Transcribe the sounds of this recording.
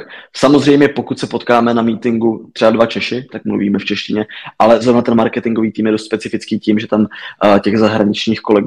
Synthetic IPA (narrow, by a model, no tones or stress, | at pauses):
samozr̝ɛjmɲɛpo̞kut̪sɛpo̞t̪kaːmɛnamiːt̪ɪŋɡut̪r̥ɛbadvat͡ʃɛʃɪt̪akmlṵvḭːmɛft͡ʃɛʃcɪɲɛʔalɛzɾo̞vnat̪ɛnmaɾkɛt̪ɪŋɡo̞viːt̪iːmjɛdost̪spɛt͡sɪfɪt͡skiːciːmʒɛt̪amcɛɣzaɦɾaɲɪt͡ʃɲiːxko̞lɛɡ